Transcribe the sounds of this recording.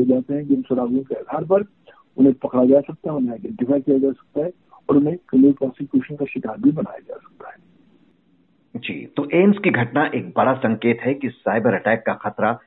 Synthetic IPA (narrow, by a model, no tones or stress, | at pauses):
od͡ʒaːt̪eɦɛ̃d͡ʒɪ̃nsʊɾaːɡuõkeɐd̪ʱaːɾpɐɾ | ʊnɦẽpɐkɽad͡ʒaːsɐk̚t̪aɦɛʊnɦẽaɪɖɛ̃ɳʈɪfaːjkijad͡ʒaːsɐ̥k̚t̪aɦɛ | ɔːɾʊnɦẽkɐmuːɾpɾɔ̃ːsɪkjuːʃənkaʃɪkaːɾbʱibɐna̰ːjad͡ʒa̰ːsɐ̥k̚t̪aɦɛː | d͡ʒḭːt̪oːʔeːmskiɡʱɐʈnaʔeːk̚bɐɽasɐ̃ŋkeːt̪ɦɛkisaːɪbəɾɐʈɛːkːaxɐt̪ɾa